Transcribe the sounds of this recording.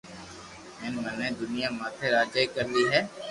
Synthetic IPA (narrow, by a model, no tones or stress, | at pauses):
ɪnmənẽːd̪ʊnɪjãːmaːt̪ʰeːɾaːd͡ʒd͡ʒaːikəɾliːɦɛː